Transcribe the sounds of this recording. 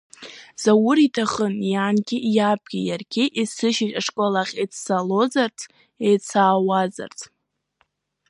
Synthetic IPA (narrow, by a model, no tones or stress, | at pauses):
z̥awʊɾitʰaχənjaːnɡʲɪjab̚ɡʲijarɡʲɪʔisɨʃɪʃʼaʂkʷʼolaχʲet͡sʰsalo̞zart͡sʰ | ejt͡sʰaːwaza̰rt͡sʰ